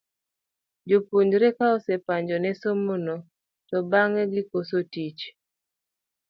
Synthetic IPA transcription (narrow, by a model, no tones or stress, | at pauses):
d͡ʒopoɲd͡ʒɾɛkaɔsɛpaɲd͡ʒɔnɛsomono | tɔbaŋɛɡɪkosotit͡ʃ